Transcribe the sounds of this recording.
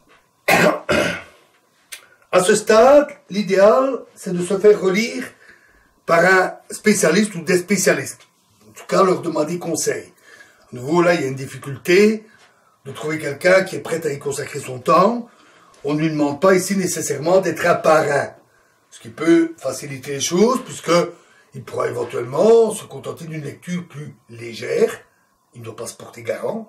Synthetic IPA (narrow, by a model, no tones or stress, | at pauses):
asəst̪ad̪lid̪ealsɛd̪əsəfɛʁːəliːʁ | paʁɛ̃spesjalist̪ud̪ɛspesjalist̪ | ɑ̃t̪u̥kalœʁd̪əmɑ̃d̪ekɔ̃sɛj | anuvolailjaynd̪ifikʲylt̪e | d̪ət̪χuvekʲɛlkʲɛ̃kʲiɛpχɛt̪aekɔ̃sakχesɔ̃t̪ɑ̃ | ɔ̃nəlɥid̪əmɑ̃d̪̚paisinesesɛʁmɑ̃d̪ɛt̪χapaʁɛ̃ | sə̥kʲipøfasilit̪eleʃoːzpɥiskə | ilpuʁa̰evɑ̃t̪ɥɛlmɑ̃səkɔ̃t̪ɑ̃t̪ed̪ynlɛk̚t̪yːʁplyleʒɛːʁ | ilnəd̪wapasə̥pɔʁt̪eɡaʁɑ̃